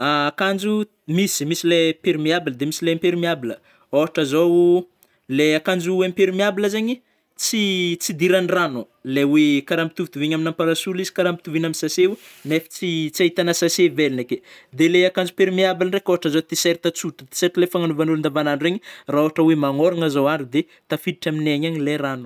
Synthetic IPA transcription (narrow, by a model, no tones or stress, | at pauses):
aakand͡ʒu | misimisilepeɾmiabiləd̪emisileampeɾimiabilə | oɦaʈ͡ʂəzow | leakand͡ʒuempeɾimiabiləzeɲi | t͡sit͡sid̪iɾanrano | lewekaɾampi̥t̪uvit̪uviɲaminampaɾasulizi̥kaɾambit̪uvinaminsaseunefi̥t͡sit͡siait̪anasasevelineked̪eleakand͡zupeɾumiabilənrekoɦaʈ͡ʂazowt̪iseɾit̪at͡suʈ͡ʂət̪e̥seɾt̪lefaŋanuvanulund̪avananreɲiraoɦaʈ͡ʂəwemaŋoɾaŋəzowaɖ͡ʐud̪e | t̪afid̪iʈ͡ʂamineɲaɲileranu